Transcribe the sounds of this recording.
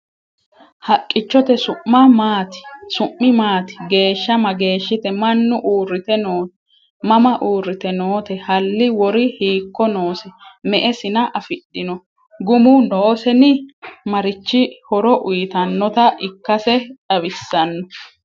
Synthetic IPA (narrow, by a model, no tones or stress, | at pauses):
hɐkʼːɪt͡ʃːɔt̪ɛsʊʔːɐmaːt̪ɪ̥sʊʔːɪmaːt̪ɪ̥ɡe̞ːʃːɐmɐɡe̞ːʃːɪt̪ɛmɐnːʊʔuːrɪt̪ɛnoː | mɐmɐʔuːrːɪt̪ɛnoːt̪ɛhɐlːɪwɔɾɪhiːkːɔnoːsɛmɛʔɛsɪnɐʔɐfɪɗːɪnɔ | ɡʊmʊnoːsɛnɪmɐɾɪt͡ʃːɪhɔɾɔʔʊjt̪ɐnːɔt̪ɐʔɪkːɐsɛᶑɐβɪsːɐnːɔ